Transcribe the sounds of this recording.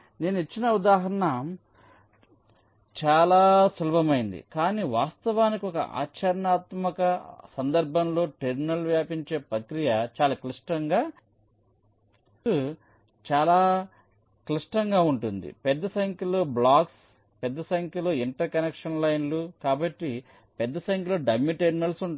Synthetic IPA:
ne̞ːnuit͡ʃːinɐud̪aːɦɐɾɐɳɐ | t͡ʃaːlaːsulɐbɐmɐjind̪ḭkaːniːʋaːst̪ɐʋaːnikiɔkɐ̰ʔa̰ːt͡ʃɐɾɐɳaːt̪mɐkɐsɐnd̪ɐɾbʱɐmlo̞ːʈeɾminɐlʋjaːpiɲt͡ʃe̞ːpɾɐkɾijɐt͡ʃaːlaːkliʂʈɐŋɡaː | u | t͡ʃaːlaː | kliʂʈɐŋɡaːuɳʈund̪ḭpɛd̪ːɐsɐjŋkʲuloːblaːks | pɛd̪ːɐsɐjɐŋkjuloːiɳʈɐɾkɐnekʂɐnlɐjnlukaːbɐʈːi | pɛd̪ːɐsɐjŋkʲuloːɖɐmːiʈeɾmnɐlsuɳ

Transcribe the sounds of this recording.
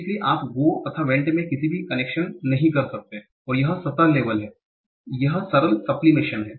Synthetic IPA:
klieʔaːpɡoːt̪ɐt̪ʰaʋɛ̃ːɳʈmẽkɪsibʱikɐneːkʃənnɐɦĩkɐɾsɐk̚t̪eɦɛ̃ | ɔːɾjɐɦsɐt̪aleːʋəlɦɛː | jɐɦsɐɾəlsɐplimɪʃənɦɛː

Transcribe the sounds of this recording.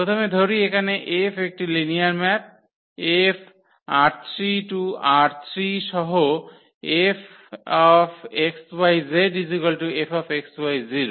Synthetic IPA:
pɔt̪ʰɔmed̪ʱoɹiekanɛʔepʰek̚ʈilinijaɹmɛt̪̚ | epʰ | aɾt̪ʰɹituaɾt̪ʰɹisɔɦo | epʰ | ɔpʰekswajzedizikɔltuepʰɔpʰekswajziɾu

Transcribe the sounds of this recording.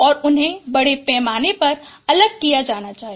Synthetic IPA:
ɔːɾʊnɦẽbɐɽepɛːmaːnepɐɾɐləɡ̚kijad͡ʒaːnat͡ʃaːɦi

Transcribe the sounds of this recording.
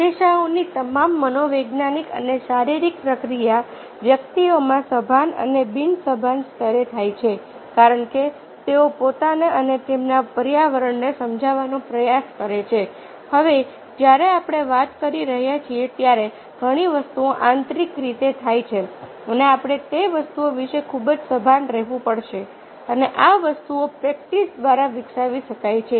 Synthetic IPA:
d̪eʃaonit̪əmamːənoʋeɡnanikə̰neʃaɾiɾik̚pɾəkɾija | ʋjəkt̪iomãsəbʱanə̰nebinsəbʱanst̪ʰəɾet̪ʰajt͡ʃʰe | kaɾəɳke | t̪eopot̪aneʔənet̪emnapəɾjaʋəɾəɳnesəmd͡ʒʱaʋanõpɾəjaskəɾet͡ʃʰe | həʋe | d͡ʒjaɾeapɽ̃eʋat̪kəɾiɾəɦjat͡ʃʰiet̪jaɾe | ɡʱəɽ̃iʋəst̪uõʔãnt̪ɾikɾit̪et̪ʰajt͡ʃʰe | əneapɽ̃et̪eʋəst̪uoʋiʃekʰubd͡ʒsəbʱanɾɛɦʋũpəɽʃe | əneʔaʋəst̪uopɾɛk̚ʈisd̪ʋaɾaʋɪksaʋiʃəkajt͡ʃʰe

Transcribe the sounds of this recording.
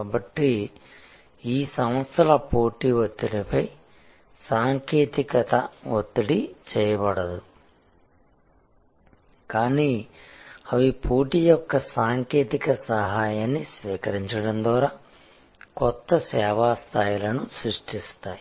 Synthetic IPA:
abɐʈːi | iːsɐmʋɐt̪sɐlɐpoːʈiʋot̪ːinipɐj | saːŋkeːt̪ikɐt̪ɐʋot̪ːiɽit͡ʃɛːjɐbɐɽɐd̪u | kaːniː | ɐʋipʰuːʈijɔkːɐsaːŋkeːt̪ikɐsɐɦaːjaːnːisʋiːkɐɾiɲt͡ʃɐɽɐnd̪ʋaːɾaː | kɔt̪ːɐsɛːʋaːst̪ʰaːjilɐnusɾiʂʈist̪aːji

